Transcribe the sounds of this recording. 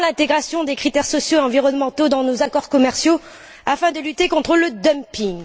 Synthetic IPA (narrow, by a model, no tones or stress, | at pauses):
lɛ̃t̪eɡʁasjɔ̃d̪ekχit̪ɛʁsɔsjoeɑ̃viʁɔnmɑ̃t̪od̪ɑ̃nozakɔʁkɔmɛʁsjo | afɛ̃d̪əlyt̪ekɔ̃t̪χələd̪œmpiŋ